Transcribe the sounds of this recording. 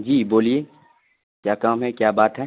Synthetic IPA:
d͡ʒiːboːlieː | kjaːkaːmɦɛkjaːbaːt̪ɦɛː

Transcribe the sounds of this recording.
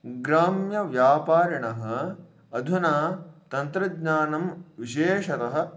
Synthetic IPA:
ɡɾaːmjɐʋjaːpaːɾɐɳɐɦɐ̆ | ɐd̪ʱunaːt̪ɐnt̪ɾɐɡɲaːnɐmʋiʃeːʃɐt̪ɐɦɐ̆

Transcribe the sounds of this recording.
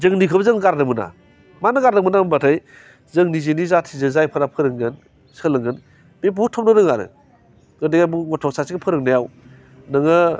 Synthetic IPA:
zɯŋnikʰɯbzɯŋɡaɾdɯmɯna̰ | manɯɡaɾdɯmɯnabatʰaj | zɯŋnizenizatʰizɯzajpʰɯɾapʰɯɾɯŋɡɯn | sɯlɯŋɡɯn | bebutʰɔp̚nɯɾɯŋaɾɯ̰ | ɡɯdeɡajbuɡɔtʰɔk̚sʰasikapʰɯɾɯŋnajaw | nɯŋɯ

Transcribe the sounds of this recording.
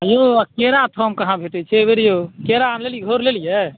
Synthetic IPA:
joakeɾat̪ʰomkəɦãbʱeʈɛt͡ʃʰɛbeɾijokeɾanleliɡʱoɾlelijɛ

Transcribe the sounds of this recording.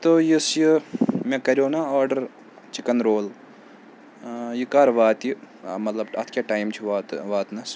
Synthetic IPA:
t̪ojisjɨmekɐɾʲjoːnaaːɾɖɐɾ | t͡ʃikɐnɾoːl | jɨkaːɾʋaːt̪ji | mɐt̪lɐbɐt̪ʰkʲjaʈaːjmt͡ʃʰiʋaːt̪ʋaːt̪nɐs

